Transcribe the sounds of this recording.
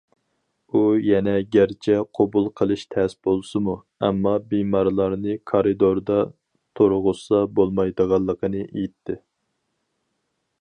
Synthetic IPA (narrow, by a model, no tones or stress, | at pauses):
ujɛnɛɡʲæɾt͡ʃʰɛqʰobulˠqʰəlˠɨʃt̪ʰɛsb̥olˠsɨmu | ɛ̰mːɑbimɑɾlˠɑɾnɨkʰɑɾɨd̪oɾd̪ɑ | t̪ʰoɾʁʊsɑbolˠmɑjd̪əʁɑlˠːəqʰənɨʔejit̪ʰːɪ